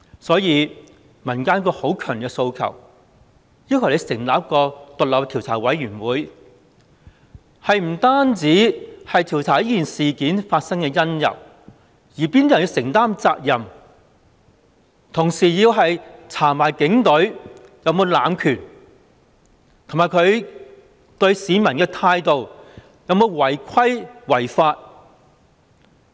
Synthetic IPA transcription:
sɔː˨˥jiː˧ | mɐ˨˩nkaː˥nkɔː˧ho˨˥wkʰœː˨˩ŋnɪ˨kɛ˧so˧wkʰɐ̰˨˩w | jiː˥kʰɐ˨˩le˨˧jsɪ˨˩ŋlaː˨˥p̚kɔː˧t̪ʊ˨k̚lɐ˨˩w̚t̪ʰi˨˩wt͡sʰaː˨˩wɐ˨˥jɥyː˨˩nwuː˨˥j | hɐ˨jm̩˨˩t̪aː˥nt͡siː˨˥hɐ˨jt̪ʰi˨˩wt͡sʰaː˨˩ji˥kiː˨˩nsiː˨kiː˨˥nfaː˧t̚sŋkɛː˧jɐ˥njɐ̰˨˩w | jiː˨˩piː˥nt̪ːji˧wsɪ˨˩ŋt̪aː˥mt͡saː˧k̚jɐ˨m | t̪ʰʊ˨˩ŋsiː˨˩jiː˧wɦɐ˨jt͡sʰaː˨˩maː˨˩jkɪ˨˥ŋt̪ɵ˨˥ɥjɐ˨˧wmo˨˧wla̰ː˨mkʰyː˨˩n | t̪ʰo˨˩maː˨jkʰɵ˨˧ɥ | t̪ɵ˧ɥsiː˨˧mɐ˨˩nkɛː˧t̪ʰaː˧jt̪o˨w | jɐ˨˧wmo˨˧wwɐ˨˩jkʰɐ˥jwɐ˨˩jfaː˧t̚

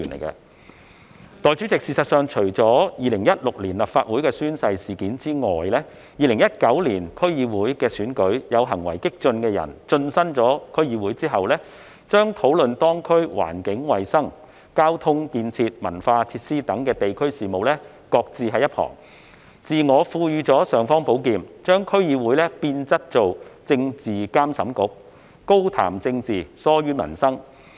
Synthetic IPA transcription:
y˨˩nlḛ˨˩jkɐ̰˧ | t̪ɔː˨˧jt͡ʃy˨˥t͡sɪ˨k̚siː˧sɐ˨t̚sœː˨˧ŋt͡ʃʰɵ˨˩ɥt͡sɔː˨˥jiː˨˧lɪ˨˩ŋjɐ˥t̚lʊ˨k̚liː˨˩nlɐ˨p̚faː˧t̚wu˨˥jkɛː˧syː˥nsɐ˧jsiː˨kiː˨˥nt͡siː˥ŋɔː˨˩jlɛː˥ | jiː˨lɪ˨˩ŋjɐ˥t̚kɐ˨˥wliː˨˩nkʰɵ˥ɥjiː˧wuː˨˥jkɛː˧syː˨˥nkɵ˨˥ɥjɐ˨˧wɦɐ˨˩ŋwɐ˨˩jkɪ˥k̚t͡ʃɵ˧nkɛː˧jɐ̰˨˩nt͡ʃɵ˧nsɐ˥nt͡sɔː˨˥kʰɵ˥ɥjiː˧wuː˨˥jt͡siː˥ɦɐ˨wlɛː˥ | t͡ʃœː˥ŋt̪ʰo˨˥wlɵ˨nt̪ɔː˥ŋkʰɵ˥ɥwa̰ː˨˩nkɪ˨˥ŋwɐ˨˩jsɐ˥ŋ | kaː˥wt̪ʰʊ˥ŋkiː˧nt͡sʰiː˧t̚mɐ̰˨˩nfaː˧t͡sʰiː˧t̚siː˥t̪ɐ˨˥ŋkɛː˧t̪e˨jkʰɵ˥ɥsiː˨˩mo˨wlɛː˥ | kɔː˧k̚t͡siː˨˩ɦɐ˨jɐ˥t̚hʰɔ̰ː˨˩ŋ | t͡siː˨˩ŋɔː˨˧fuː˧jyː˧t͡sɔː˨˥sœː˨ŋfɔː˥ŋpo˨˥wkiː˨nt͡ʃœː˥ŋkʰɵ˥ɥjiː˨˧wuː˨˥jlɛː˥piː˧nt͡sɐ˥t̚t͡so˨wt͡sɪ˧ŋt͡siː˨˩kaː˥msɐ˨˥mkʊ˨˥k̚ | ko˥wt̪ʰa̰ː˨˩mt͡sɪ˧ŋt͡siː˨˩sɔː˥jyː˥mɐ̰˨˩nsɐ˥ŋ

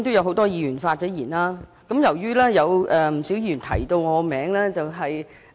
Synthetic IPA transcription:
t̪o˥wjɐ˨˧wɦo˨˥wt̪ɔː˥jiː˧jyː˨˩nfaː˧t̚t͡sɛː˨˥jiː˨˩nlaː˥ | kɐ˨˥mjɐ˨˩wjyː˥lɛː˥jɐ˨˧wʔɛ˨˩m̩˨˩siː˨˥wjiː˧ɥy˨˩nt̪ʰɐ˨˩jt̪o˧wŋɔː˨˧mɛː˨˥ŋlɛː˥t͡sɐ˨wɦɐ˨j

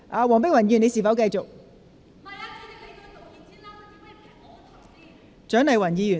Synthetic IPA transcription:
ʔaː˨˧wɔː˨˩ŋp̬ɪ˥k̚wɐ˨˩njyː˨˩ne˧siː˨˩fɐ˨˥wkɐ˧jt͡sʊ˨k̚ | t͡ʃœː˨˥ŋnɐ˨jwɐ˨˩njiː˨˧jyː˨˩

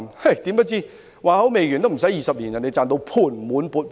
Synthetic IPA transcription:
nhɐ˥˩t̪iː˨˥mə˥t̚t͡siː˥ | waː˨hɐ˨˥wme˨jy˨˩nt̪o˥m̩˨˩sɐ˨˥jːiː˨˧sɐ˨p̚liː˨˩njɐ˨˩ne˧jt͡saː˧nt̪o˧wpʰuː˨˩nmuː˨˥npuː˧t̚

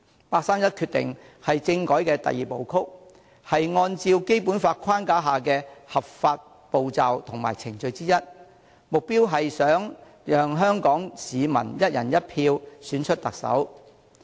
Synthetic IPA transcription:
paː˧k̚saː˥mjɐ˥t̚kʰyː˧t̪ɪ̰˨˩ŋ | hɐ˨jt͡sɪ˧ŋkɔː˨˥jkɛː˧t̪ɐ̰˨jiː˨po˨wkʰʊ˥k̚ | hɐ˨jŋɔː˧nt͡siː˧wke˥jpu˨˥nfaː˧t̚kʰwaː˥nkaː˨˥ɦaː˨˩kɛː˧hɐ˨p̚faː˧t̚ | po˨wt͡sɐ˨wt̪ʰʊ˨˩ŋma̰ː˨˩jt͡sʰɪ˨˩ŋt͡ʃɵ˧ɥt͡siː˥jɐ˥t̚ | mʊ˨k̚piː˥wɦɐ˨jsœː˨˥ŋ | jœː˨ŋɦœː˥ŋkɔː˨˥ŋsiː˨˧mɐ̰˨˩njɐ˥t̚jɐ˨˩njɐ˥t̚pʰiː˧wsyː˨˥nt͡ʃʰɵ˥t̚t̪ɐ˨k̚sɐ̰˨˥w

